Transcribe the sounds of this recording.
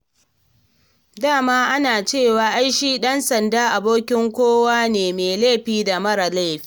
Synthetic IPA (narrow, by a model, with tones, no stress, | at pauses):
daː˦˨maː˦ʔa˦naː˨t͡ʃeː˦˨waː˨ʔa˦jʃiː˦ɗɐ˦nsɐ˨ndaː˦ʔa˨boː˦kʲɪ˦ŋkʷoː˦waː˦neː˨meː˨leː˦˨ɸiː˦da˨mɐ˦ɾa˨la˦˨ɸi̥ː˦